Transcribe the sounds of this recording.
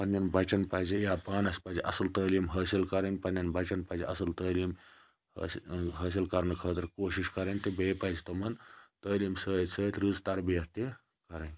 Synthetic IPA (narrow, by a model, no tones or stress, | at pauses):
pɐnjɐnbɐt͡ʃɐnpɐːd͡ʒijaːpaːnɐspɐːd͡ʒiʔɐsɨlt̪əːliːmɦɐːsilkɐɾɐŋɡʲpɐnjɐnbɐt͡ʃɐnpɐd͡ʒiʔɐsɨlt̪əːliːm̰ | ɦɐːs̬ilkɐɾnɐkʰəːt̪ɨɾkoːʃiʃkɐɾɐnʲt̪ibeːpɐzit̪omɐnt̪əːliːmsəːit̪səːt̪ɾuːzt̪ɐɾbijɐtt̪i | kɐɾɐnɡʲ